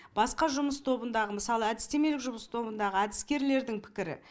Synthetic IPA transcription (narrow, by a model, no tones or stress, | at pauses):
b̥ɑsqɑʒʊməst̪ʰo̞bənd̪ɑʁəməsɑlˠəæd̪ɪst̪e̞me̞lɪkʒʊməst̪ʰo̞bənd̪ɑʁəæd̪ɪskʲe̞ɾle̞ɾd̪ɪŋpʰɪ̥kʲɪɾɪ̰